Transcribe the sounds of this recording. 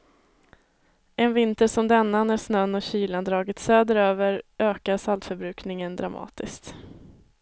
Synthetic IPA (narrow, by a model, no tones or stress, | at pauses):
ʔɛnvɪnt̪əʂɔmd̪ɛnːanæɾsnœnːɔɕiːland̪ɾɑːɡɪt̪søːd̪əɾøːvəɾʔøːkaɾsalt̪fœɾbɾʉ̟ːknɪŋənd̪ɾamɑ̰ːt̪ɪskt̪